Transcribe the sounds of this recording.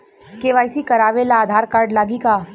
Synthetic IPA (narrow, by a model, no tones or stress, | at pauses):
keʋaːjsikɐɾaːʋelaːd̪ʱaːɾkaːɾɖlaːɡika